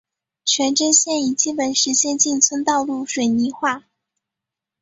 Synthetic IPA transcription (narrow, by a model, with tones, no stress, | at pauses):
t͡ɕʰɥɛ˧˥nʈ͡ʂə˥nɕjɛ˥˩ni˨˩t͡ɕi˥˩pə˨˩nʂɻ̩˧˥ɕjɛ˥˧nt͡ɕi˥˩nt͡sʰwə˥nt̪ɑ˥˧ʊlu˥˩ʂwe˨˩ɪni˧˥xwa˥˩